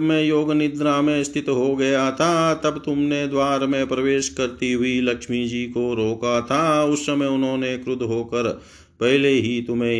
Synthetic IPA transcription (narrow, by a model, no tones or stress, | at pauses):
mẽjoːɡnɪd̪naːmẽst̪ʰɪt̪ɦoɡɐjat̪ʰat̪ɐbt̪ʊmned̪waːɾmẽpɾɐʋeːʃkɐɾt̪iɦʊilɐkʃmid͡ʒiːkoɾoːkat̪ʰaʊsːɐməjʊnɦõːnekɾʊd̪ʱɦoːkəɾ | pɛɦleɦit̪ʊmẽ